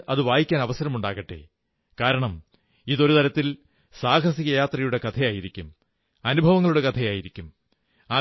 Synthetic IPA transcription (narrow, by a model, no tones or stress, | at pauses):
ɐðɨʋaːjikʲːaːnɐʋɐsɐɾɐmuɳɖaːɣɐʈːḛː | kaːɾɐɳɐm | iðo̞ɾut̪ɐɾɐt̪ːil | saːkʰɐsiɣɐjaːt̪rɐjuɽe̞kɐt̪ʰɐjaːjiɾikʲːum | ɐnubʱɐʋɐŋːɐɭuɽe̞kɐt̪ʰɐjaːjiɾikʲːum | aː